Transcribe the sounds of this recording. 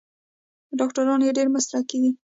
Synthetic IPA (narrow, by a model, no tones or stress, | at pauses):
ɖɑkʈaɾɑnjeɖeɾmasɾakiɡ̪i